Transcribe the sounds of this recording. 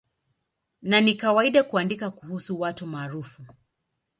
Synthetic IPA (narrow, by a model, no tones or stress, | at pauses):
nanikawaiɗakuandikakuhusuwatumaːɾufu